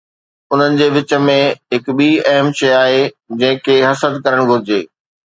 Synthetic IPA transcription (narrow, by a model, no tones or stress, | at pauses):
ʊn̤ənɪ̆d͡ʑeːʋɪt͡ɕə̆mẽɦɪkɓiːɐɦəmʃɐjaːɦe | d͡ʑɐ̃ɦɪ̃kʰeːɦɐsəd̪kɐɾəɽ̃ɡʱʊɾɪd͡ʑeː